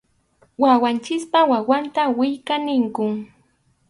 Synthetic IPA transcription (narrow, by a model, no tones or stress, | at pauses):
wawant͡ʃɪkpawawant̪awɪjkanɪŋkʊŋ